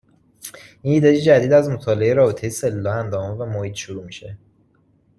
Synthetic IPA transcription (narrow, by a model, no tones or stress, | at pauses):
iniːd̪ɒjed͡ʒæd̪iːd̪æzmot̪ʰɒːleejeɾɒːbet̪ʰe̞jese̞lːɒːænd̪ɒːmɔvæmohiːt̪ʃuɾuːmiʃe̞̰